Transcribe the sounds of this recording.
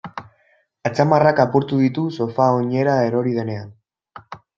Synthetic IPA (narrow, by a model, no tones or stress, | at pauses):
at͡samarakapuɾt̪uðit̪uso̞faoɲe̞ɾae̞ɾo̞ɾið̞e̞ne̞an